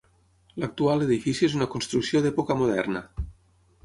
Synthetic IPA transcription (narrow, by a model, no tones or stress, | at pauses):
lak̚t̪ualeðifisjuezunakonst̪ɾuksjoðɛpokamoð̞ɛ̰rna